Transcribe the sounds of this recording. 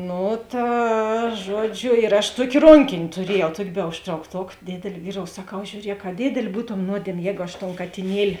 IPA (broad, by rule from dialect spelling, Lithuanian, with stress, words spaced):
ˈnʊ ˈtɐ ˈʒuɔˌd͡ʒʲʊ ɪr ɐʃ ˈtuɔkʲeː ˈroːŋʲkʲeːnʲ tʊˈrʲiɛjɛʊ ˈtuɔkʲeː bʲɛ ʊʃtrɐʊkˈtoːk ˈdʲeːdʲeːlʲ ˈʋʲiːˌroːʊ sɐˈkɐʊ ʒʲuːˈrʲiɛk ɐ ˈdʲeːdʲeːlʲ ˈbuːtoːm ˈnuɔdʲiɛmʲeː ˈjɛːɡʊ ɐʃ toːn kɐtʲɪˈnʲiɛlʲɪ